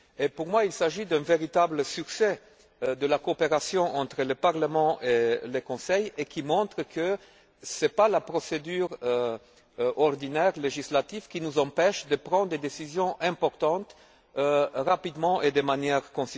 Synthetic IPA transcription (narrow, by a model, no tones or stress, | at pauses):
epuʁmwailsaʒid̪ɛ̃veʁit̪abləsykse | d̪əlakoːpeʁasjɔ̃ʔɑ̃t̪χələpaʁləmɑ̃ʔeləkɔ̃sɛjekʰimɔ̃t̪χəkə | sɛpalapʁɔsed̪yːʁ | ɔʁd̪inɛʁleʒislat̪ivkʲinuzɑ̃pɛʃd̪əpʁɑ̃d̪ʁd̪ed̪esizjɔ̃ʔɛ̃pɔʁt̪ɑ̃t̪ | ʁapid̪mɑ̃ʔed̪emanjɛʁkɔ̃s